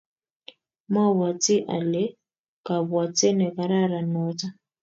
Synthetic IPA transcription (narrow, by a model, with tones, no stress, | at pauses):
ma˦βwa˨t͡si˦ʔa̰˨le˦ | ka˨βwa˨t͡se˦ne˨ka˨ɾa˦ɾa˨no˦ta˦